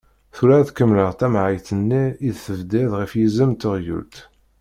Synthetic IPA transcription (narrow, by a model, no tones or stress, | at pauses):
θuɾæθkəmləʁt̪æmʕəjθənːiiðθəvd̪iðʁifjizəmt̪əʁjṵlt̪